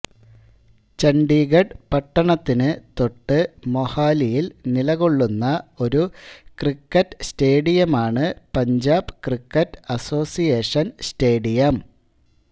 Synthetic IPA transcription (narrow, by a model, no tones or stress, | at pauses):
t͡ɕɐɳɖiːɣɐɖpɐʈːɐɳɐt̪ːinɨt̪o̞ʈːɨmohaːlijilnilɐɣo̞ɭːunːɐo̞ɾukrikːɐtːste̞ːɽijɐmaːɳɨpɐɲd͡ʑaːbɨkrikːɐtːɐso̞ːsijeːʂɐnste̞ːɽijɐm